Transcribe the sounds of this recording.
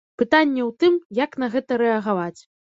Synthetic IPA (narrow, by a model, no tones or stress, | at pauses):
pɨt̪anʲːɛwt̪ɨmjaknɐɣɛt̪ɐɾɛɐɣavat͡sʲ